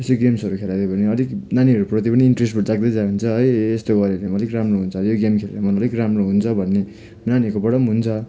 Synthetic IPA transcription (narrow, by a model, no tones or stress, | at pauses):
esoɡemsʌɾukʰelad̪ebʌneʌliknaniʌɾuprʌt̪ipʌniiɳʈresʈbʌd͡zaɡ̚d̪ʌjd͡zaɦunt͡sʰʌɦʌjest̪oɡʌɾelemʌlikramroɦunt͡sʰʌjoɡemkʰelḛɾamʌnʌlikramroɦunt͡sʰʌbʱʌnːe | nanikobʌɽʌmɦunt͡sʰʌ